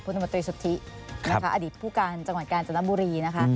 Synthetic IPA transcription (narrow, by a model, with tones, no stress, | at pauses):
pʰu˧na˧o˧nt̪ɾiː˧su˨˩t̪ʰːi˦˥ | a˦kʰa˦˥ʔa˧d̪iː˨˩t̪̚pʰuː˥˩kaː˧nt͡ɕa˧ŋwa˨˩t̪̚kaː˧nt͡ɕa˧na˦˥buː˧ɾiː˧na˦˥kʰa˦˥